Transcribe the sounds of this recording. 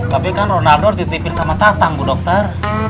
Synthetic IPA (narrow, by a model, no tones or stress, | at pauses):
kabekanrɔnadɔrd̪it̪ipinsamat̪at̪aŋɡudɔk̚t̪ar